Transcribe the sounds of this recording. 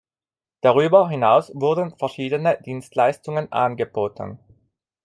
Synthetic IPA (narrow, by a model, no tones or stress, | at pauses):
d̥aʁyːbɐɦɪnaʊsvʊɐdn̩fɛɐʃiːdənədiːnstlaɪstʊŋənʔa̰nɡəboːtən̩